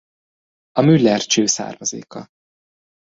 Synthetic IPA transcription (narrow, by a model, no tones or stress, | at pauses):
ɒmylːɛrt͡ʃøːsa̰ːrmɒzḛːkɒ